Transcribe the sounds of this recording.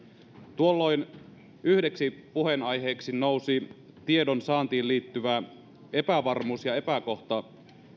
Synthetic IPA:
t̪uolːo̞jn | yhde̞ksipuhe̞nɑjɦe̞ːksinowsi | t̪ie̞donsɑːnt̪iːlliːt̪ːyʋæ | e̞pæʋɑrmuːsjɑe̞pæko̞ht̪ɑ

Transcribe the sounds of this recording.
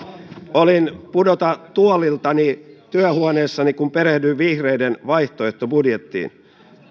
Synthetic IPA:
olinpudot̪ɑt̪uolilt̪ɑnit̪yæhuoneːsːɑnikumpeɾehdyʋʋihreidenʋɑiht̪oeht̪obudjet̪ːḭːn

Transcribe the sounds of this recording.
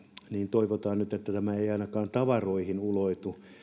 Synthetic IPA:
niːnt̪oiʋot̪ɑːnnyt̪et̪ːæt̪æmæeiɑinɑkɑːnt̪ɑʋɑroihinuloit̪u

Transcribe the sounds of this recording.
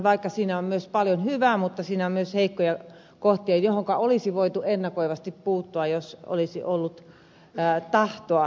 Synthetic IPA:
ʋɑikːɑsiːnæommyøspɑljonhyʋæmut̪ːɑsiːnæommyøsheikːojɑ | koht̪iɑjjohoŋkɑolisiʋoit̪uenːɑkoiʋɑst̪ippuːt̪ːuɑjoso̰lisḭʔolːut̪ː | t̪ɑht̪oɑ

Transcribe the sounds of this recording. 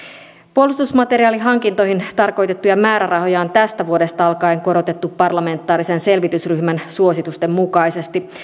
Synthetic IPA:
puolːust̪usmɑt̪e̞ɾiɑːliɦɑŋkint̪o̞ɦint̪ɑrko̞jt̪e̞t̪ːujɑmæːɾærɑɦo̞jɑont̪æst̪æʋuo̞de̞st̪ɑɑlkɑijŋko̞ɾo̞t̪e̞t̪ːupːɑrlɑme̞nt̪ːˑɑːɾise̞nse̞lʋit̪ysryçmænsuo̞sit̪ust̪e̞mːukɑjse̞st̪i

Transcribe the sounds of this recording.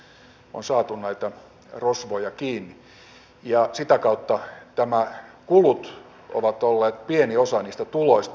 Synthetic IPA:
o̰nsɑːt̪unnæit̪æ | rosʋojɑkiːnːi | jɑsit̪ækɑut̪ːɑt̪æmækulut̪ | o̰ʋɑt̪olːeːt̪̚pieniosɑniːst̪æt̪uloist̪

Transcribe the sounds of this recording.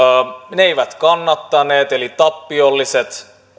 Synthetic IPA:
neeiʋæt̪kɑnːɑt̪ːɑneːt̪elit̪ɑpːiolːiset̪

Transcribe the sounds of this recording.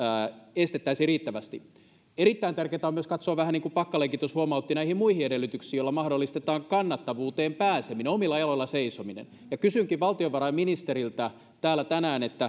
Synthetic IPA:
est̪et̪ːæisiriːt̪ːæʋæst̪i | eɾit̪ːæint̪ærkeːt̪æomyøskɑt̪soːʋæhæniːŋkupɑkːɑleŋkit̪oshuomɑut̪ːinæihimmuihiedelːyt̪yksiːjolːɑmɑhdolːˑist̪et̪ɑːŋkɑnːɑt̪ːɑʋuːt̪eːmpæːsemineomilːɑjɑloilːɑseisominḛn | jɑkysyŋkiʋʋɑlt̪ioʋʋɑɾɑiminist̪eɾilt̪æ | t̪æːlːˑæt̪ænæːnet̪ːæ

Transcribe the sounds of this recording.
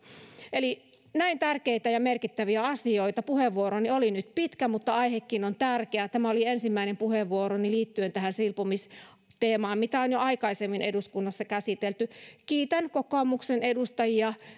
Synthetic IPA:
eli | næint̪ærkeit̪æjɑmerkit̪ːæʋiæɑsioit̪ɑpuheʋːuoɾoniolinyt̪pit̪kæmut̪ːɑɑihekːinont̪ærkeæt̪æmæoliensimːæinempuheʋʋːuoɾoniliːt̪ːyønt̪æhænsilpomis | t̪eːmɑːmmit̪æonjoɑikɑisemːineduskunːɑsːɑkæsit̪elt̪ykiːt̪ænkokoːmuksenedust̪ɑjiɑ

